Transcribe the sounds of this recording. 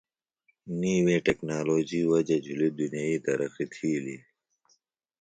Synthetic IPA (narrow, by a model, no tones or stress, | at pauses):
niːwẽːʈeknaːloːd͡ʑiːwɐd͡ʑɐd͡ʑʱulid̪unjaːiːt̪ɐɾɐqit̪ʰiːli